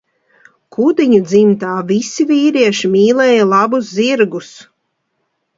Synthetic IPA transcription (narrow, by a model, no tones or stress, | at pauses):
kʰud̪iɲud̪zimt̪aːvisivʲiːɾiɛʃimʲiːlɛːjɐlˠɑbusziɾɡus